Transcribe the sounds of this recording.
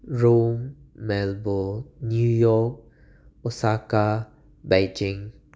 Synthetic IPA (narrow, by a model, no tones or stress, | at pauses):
ɹomːɛlbonjujɔk̚ | ɔsaka | bajd͡ʒɪ̃ŋ